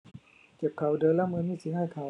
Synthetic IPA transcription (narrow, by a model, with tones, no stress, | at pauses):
ke˨˩p̚kʰːa˨˩wdɤː˧˥laː˧˥˩mɯ˧˥˦nmiː˥˩si˧˦haː˥˩jk̪ʰaː˨˦